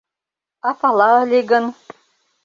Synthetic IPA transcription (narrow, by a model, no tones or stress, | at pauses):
ɑpɑlˠɑɤlʲiɡə̆n